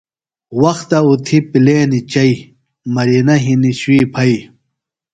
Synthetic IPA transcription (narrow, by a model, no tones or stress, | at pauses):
wɐxt̪ɐut̪ʰipileːnit͡ɕɐi | mɐɾinɐɦiniɕuwiːpʰɐi